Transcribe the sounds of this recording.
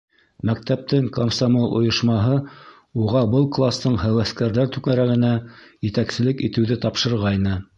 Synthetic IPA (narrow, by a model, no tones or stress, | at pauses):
mæk̚t̪æp̚t̪ɘŋkomsamolˠʔŏ̰jŏʃmɑɦɤ | uʁɑbɤlˠklˠast̪ɤɴhæwæskæɾðæɾt̪ʉkæɾæɡɘ̆næjɘ̆t̪æksɘ̆lɘkit̪ɘ̆wðɘt̪ɑpʃɤ̆ɾʁɑjnɤ